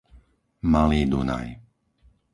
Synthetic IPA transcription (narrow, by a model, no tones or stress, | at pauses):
maliːd̪una̰j